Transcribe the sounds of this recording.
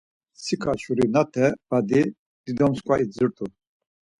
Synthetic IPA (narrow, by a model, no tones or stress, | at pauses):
sikʰat͡ʃuɾinat̪ʰɛb̥ad̪i | d̪̥id̪ɔmskʼwaid͡zəɾt̪ʰu